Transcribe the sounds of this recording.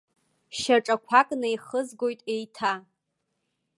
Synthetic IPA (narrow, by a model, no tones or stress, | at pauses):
ʃaʈ͡ʂʼakʷʰakʼnajχəzɡo̞jtʼejtʰa